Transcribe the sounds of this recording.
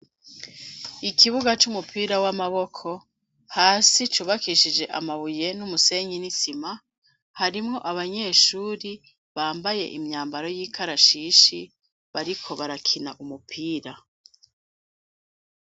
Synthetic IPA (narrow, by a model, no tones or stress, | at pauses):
ikʰiβuɡat͡ʃumupiːɾawamaβo̞kʰo̞ | haːsit͡ʃuːβakiʃid͡ʒe̞ʔa̰maβuje̞numuse̞ːɲinisima | haɾimŋo̞ʔaβaɲe̞ːʃuːɾi | βaːmbaje̞̰ʔimɲaːmbaɾo̞jiːkʰaɾaʃiːʃi | βaɾikʰo̞βaɾakʰinaʔumupʰiːɾa